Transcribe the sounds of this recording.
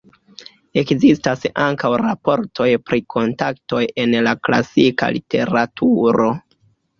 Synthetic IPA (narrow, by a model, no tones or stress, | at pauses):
e̞kzistasaŋkawɾapo̞ɾtʰo̞jpɾikʰo̞ntakto̞je̞nlakla̰sika̰lite̞ɾatʰuɾo̞